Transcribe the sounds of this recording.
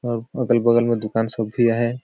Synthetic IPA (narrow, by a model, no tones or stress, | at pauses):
ɔːɾəɡəlbəɡəlmẽd̪ʊkaːnsəbʱijaɦɛ